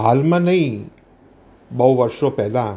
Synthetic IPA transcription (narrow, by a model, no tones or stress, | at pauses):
ɦalmãnəĩ | bəwʋəɾʃopɛɦlã